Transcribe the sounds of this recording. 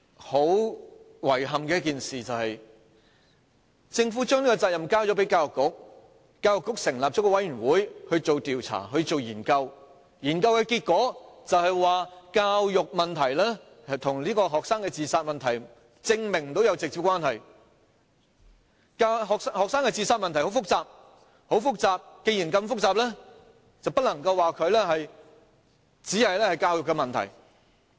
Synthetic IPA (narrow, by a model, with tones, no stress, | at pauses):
ho˨˥w | wɐ˨˩jɦɐ˨mkɛ˧jkiː˨nsiː˨˩t͡sɐ˨whɐ˨j | t͡sɪ˧ŋfuː˨˥t͡ʃœː˥ŋliː˥kɔ˧t͡saː˧t̚jɐ˨mkaː˥wt͡ʃɔː˨˥pe˨˥jkaː˧wjʊ˨˩kːʊ˥k̚ | kaː˧wjʊ˨kːʊ˥k̚sɪ˨˩ŋlaː˨p̚ɔː˨˥kɔː˥wɐ˨˥jyː˨˩nwuː˨˥jhɵ˧ɥt͡ʃo˨wt̪iː˨wt͡sʰa̰ː˨˩ɦɵ˧t͡ʃo˨wjiː˨˩nkɐ˧w | jiː˨˩nkɐ˧wkɛ˨˧kiː˧t̚kʷɔː˨˥t͡sɐ˨whɐ˨jwaː˨˩kaː˧wjʊ˨k̚mɐ˨nt̪ʰɐ˨˩jlɛː˥ | hɐ˨t̪ʰʊ˨˩ŋliː˥kɔː˧ɦɔː˨k̚saː˥ŋkɛː˧t͡siː˧saː˧t̚mɐ˨nt̪ʰɐ˨˩j | t͡sɪ˧ŋmɪ˨ŋm̩˨˩o˨˥wjɐ˨˧wt͡sɪ˨k̚t͡siː˨˧kwaː˥nɦɐ˨˩j | kaɦɔː˨k̚shɔː˨k̚saː˥ŋkɛ˧t͡siː˧saː˧t̚mɐ˨nt̪ʰɐ˨˩jho˨˥wfʊ˥k̚t͡saː˨p̚ | ho˨˥wfʊ˥k̚t͡saː˨p̚ke˧ji˨˩nkɐ˧mfʊ˥k̚t͡saː˨p̚lɛː˥ | t͡sɐ˨wpɐ˥t̚lɐ˨˩ŋkɐ˧waː˨kʰɵ˨˧ɥlɛː˥ɦɐ˨j | t͡siː˨˥hɐ˨jlɛː˥hɐ˨jkaː˧wjʊ˨kːɛ˧mɐ˨nt̪ʰɐ̰˨˩j